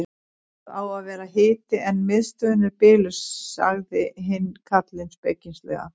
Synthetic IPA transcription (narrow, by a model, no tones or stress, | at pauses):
awaðvɛːɾaɦɪːt̪ɪɛnːmɪðst̪œːnʏɾpɪːlʏsa̰ɣðɪɦɪnːkʰat̪lɪnspḛcːinst̪lɛ̰ɣa̰